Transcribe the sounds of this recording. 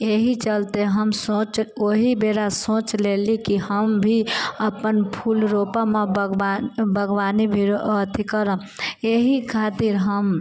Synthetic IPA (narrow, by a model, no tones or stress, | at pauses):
eɦit͡ʃəlt̪eɦəmsõt͡ʃoɦibeːɾasõːt͡ʃlelikihəmbʱiəpənpʰulɾopamebəɡanbʱəɡʋaːnibʱiɾoət̪ʰikəɾən | eɦikʰaːt̪iɾɦəm